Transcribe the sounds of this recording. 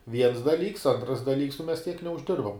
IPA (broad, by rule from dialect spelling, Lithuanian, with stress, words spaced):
ʋʲiɛns dɐˈlʲiːks ˈɐntrɐs dɐˈlʲiːks nʊ mʲɛs tʲiɛk nʲɛʊʒʲˈdʲɪrbɐm